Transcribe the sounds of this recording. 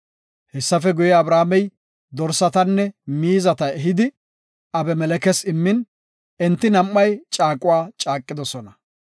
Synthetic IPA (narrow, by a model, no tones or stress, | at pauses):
hɛsːɐfɛɡʊjɛɐbɾaːmɛj | d̪ɔɾsɐt̪ɐnːɛmiːzɐt̪ɐɛɦɪd̪ɪ | ɐbɛmɛlɛkɛsɪmːɪn | ɛnt̪ːɪnɐmːɐjt͡ʃʼaːkʼʊwaːt͡ʃʼaːkʼːɪd̪ɔsɔnɐ